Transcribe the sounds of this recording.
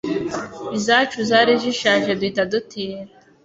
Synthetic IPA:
izat͡ʃuzaːɾiʒiʃaːʒeduitadutʰije

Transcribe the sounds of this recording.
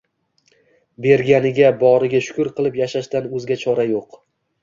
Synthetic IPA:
be̞ɾɡʲanɪɡʲabɒɾɪɡʲaʃʊ̥kʲʊɾqʰɨlˠɪpjaʃaʃt̪anɵzɡʲat͡ʃʰɒɾajoq

